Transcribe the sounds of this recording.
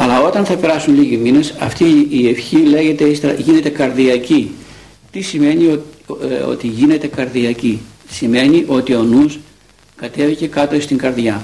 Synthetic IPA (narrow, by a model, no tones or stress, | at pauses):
ɐlɐo̞t̪ɐnθɐpe̞ɾɐsunliʝimine̞sɐ̰ft̪iːe̞fçile̞ʝe̞t̪e̞ist̪eɾɐ̰ʝine̞t̪e̞kɐɾðiɐci | t̪isime̞nioo̰t̪iʝine̞t̪e̞kɐɾðiɐcisime̞niʔo̞t̪io̞nus | kɐt̪e̞vice̞kɐt̪o̞ist̪iŋɡɐɾðʝɐ